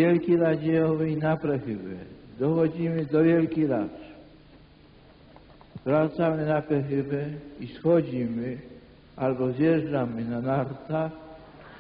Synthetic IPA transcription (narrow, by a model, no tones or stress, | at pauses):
vjɛlkʲiɾad͡ʑɛjɔvɛjnapɾɛxɪbɛ̰d̪ɔxɔd͡ʑimɘd̪ɔvʲjɛlkʲiɾat | vɾat̪samɘnapɾɛxɪbɛisxɔd͡ʑimɘ | albɔzjɛʐdamɪnanaɾt̪ax